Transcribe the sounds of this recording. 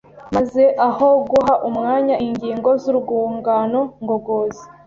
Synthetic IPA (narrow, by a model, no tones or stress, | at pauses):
maze̞ʔaho̞ɡuɦaʔumŋaːɲaʔiɲɟiːŋɡo̞zuɾuɡuːŋɡano̞ŋɡo̞ɡoːzi